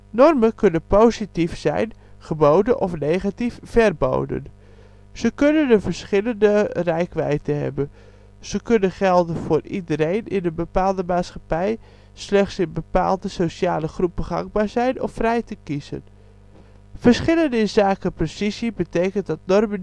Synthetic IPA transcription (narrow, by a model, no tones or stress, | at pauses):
nɔrmənkɵnənpowzitifsɛ̰jnχəbowdənʔɔfnejχatiffɛrbo̰wdə̰n | z̥əkønənəvəɹsχɪləndərɛjkʋɛ̰jtəɦɛ̰bə | z̥əkɵnəχɛlˠdənv̥ʊːridəɾejnɪ̰nəbəpaːlˠdəmaːtsχɑpɛj | slɛχtsɪnbəpa̰ːlˠdəsowʃaːləχrupəχɑ̰ŋɡ̚baːɹzɛjnɔ̰frɛjtəkizə̰n | fəɹsχɪləndəɪnzaːkəprosisibətejkəntdɑt̚nɔrmən